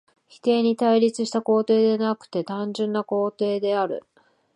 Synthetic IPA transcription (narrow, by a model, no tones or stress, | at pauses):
çi̥t̪e̞ːɲ̟it̪aiɾʲit͡sɨɕi̥t̪ako̞ːt̪e̞ːd̪e̞nakɯ̟̥t̪e̞t̪ãɲ̟d͡ʑɨ̃nːako̞ːt̪e̞ːd̪e̞aɾɯ̟̰